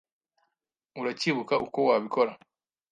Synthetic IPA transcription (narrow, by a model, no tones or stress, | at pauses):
uɾaciβukaʔuko̞waːβiko̞ɾa